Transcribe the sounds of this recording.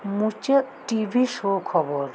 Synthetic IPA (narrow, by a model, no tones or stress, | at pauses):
mũt͡ʃe | ʈibʱiʃokʰɔboɾ